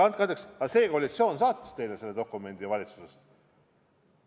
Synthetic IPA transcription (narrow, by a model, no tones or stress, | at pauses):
ɑnt̪̚kɑnd̪eksɑse̞ːko̞ːlʲit̪sio̞ːnsɑːt̪ːˑɑ̥st̪e̞jlese̞lːe̞d̪o̞kːˑume̞nd̪̥iɑvɑlit̪su̥sest̪